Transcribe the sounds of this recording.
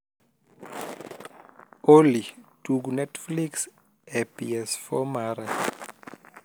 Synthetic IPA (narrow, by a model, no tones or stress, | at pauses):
olid̥uɡunɛtfliks | ɛpiɛsfɔmaɾa